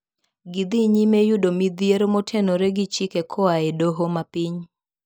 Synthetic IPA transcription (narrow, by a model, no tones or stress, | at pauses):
ɡid̪iɲimejʊdomid̪jeɾomotʰenoɾeɡit͡ʃikekʰɔaedoɦomapiɲ